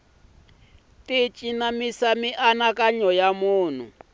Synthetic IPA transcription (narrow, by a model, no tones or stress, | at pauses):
tit͡ʃʼinamisamiʔanakʼaɲɔjamuːn̤u